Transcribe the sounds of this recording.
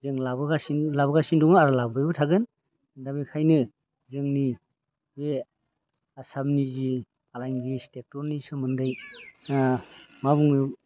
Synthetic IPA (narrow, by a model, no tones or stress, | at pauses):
zeŋlabɯɡasinlabaɡasindɔŋɯaɾɯlabɯjbɯtʰaɡɯn | dabikʰajnɯ | zɯŋni | be | asamnizi | alajŋɡistek̚tɔɾnisɯmɯndaj | mabuŋɯ